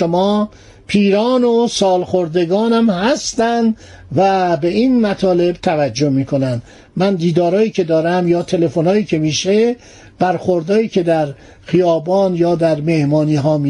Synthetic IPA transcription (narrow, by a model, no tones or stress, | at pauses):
ʃomɒː | pʰiːɾɒːnosɒːlxoɾd̪e̞ɡɒːnæmhæst̪ænd̪væbe̞iːnmæt̪ʰɒːle̞bt̪ʰævæd͡ʒːohmiːkʰo̞nænd̪ | mænd̪iːd̪ɒːɾɒːjiːcʰe̞d̪ɒːɾæmjɒːt̪ʰe̞le̞fonhɒːjiːcʰe̞miːʃe | b̥æɾxoɾd̪ɒːiːkʰe̞d̪æɾ | xijɒːbɒːnjɒːd̪æɾme̞hmɒːniːɦɒːmi